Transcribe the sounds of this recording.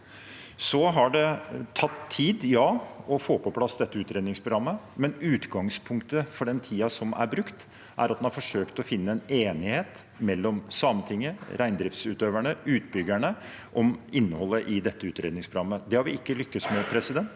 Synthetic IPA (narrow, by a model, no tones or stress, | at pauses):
sɔɦɑɖɛt̪ʰɑt̪ʰːiːd̪jɑːɔfoːpʰɔpʰlɑsd̪ɛt̪ːəʉːt̪ɾeːd̪nɪŋspʰɾʊɡɾɑmːəmɛnʉːt̪ɡɑŋspʰʊŋkt̪əfɔɖɛnt̪ʰiːɑsɔmæ̰ɾbɾʉkt̪ | ʔæ̰ɾɑt̪d̪ɛnhɑɾfɔʂøːkt̪ɔfɪnːəɛneːnɪheːt̪ | mɛlːɔmsɑːmənt̪ʰɪŋːəɾʔæɪnd̪ɾɪft̪sʉːt̪øːʋæɳəʉːt̪̚bʏɡæɳə | ʔɔmɪnːəhɔlːəʔɪd̪ɛt̪ːəʉːt̪ɾeːd̪nɪŋspʰɾʊɡɑmːəd̪ɛhɑɾʋɪɪkːəlʏkːəsmɛpʰɾɛsɪd̪ɛnt̪